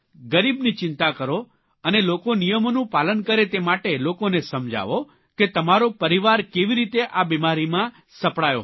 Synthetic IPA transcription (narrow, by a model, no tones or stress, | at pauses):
ɡəɾibnit͡ʃɪnt̪akəɾo | ənelokonijəmonũpalənkəɾet̪emaʈelokonesəmd͡ʒa̰ʋo | ket̪əmaɾopəɾiʋaɾkeʋiɾit̪eʔabimaɾimã | səpɽajo̰